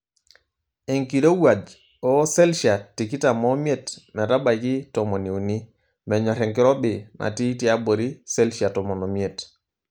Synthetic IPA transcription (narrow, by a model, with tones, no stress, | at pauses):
e˨ŋki˨ɾo˦wa˨d͡ʒ | ɔ˦sɛ˦lʃa˨tːi˨ki˦ta˨mɔ˦mje˦tmɛ˨ɾa˦ba˨jkɪ˦tɔ˨mɔ˨ni˨u˨ni˦ | mɛ˨ɲɔ˨ɾɛ˨ŋkɪ˦ɾɔ˦bɪ˨nʔa̰˨ti˦tji˦a˦bo˨ɾi˦sɛ˦lʃa˨tɔ˨mɔ˨nɔ˨mje˨t